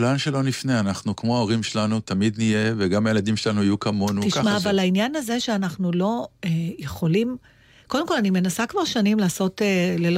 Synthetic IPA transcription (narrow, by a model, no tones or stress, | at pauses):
lanʃelo̞nifneanaχnukmo̞aoʁimʃelanut̪amid̪nije̞veɡamajelad̪imʃelanuajukɐmo̞nutiʃkamaːvalainjanaze̞ʃe̞anaχnulo̞eje̞χo̞lim | ko̞d̪e̞mko̞lanime̞nasakvaʁʃanimlaːso̞telel